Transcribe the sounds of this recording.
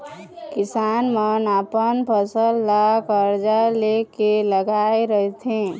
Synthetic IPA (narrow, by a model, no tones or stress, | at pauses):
kɪsanmənapənpʰəsəlːakəɾd͡ʒalekeləɡaeɾəɦt̪ʰẽ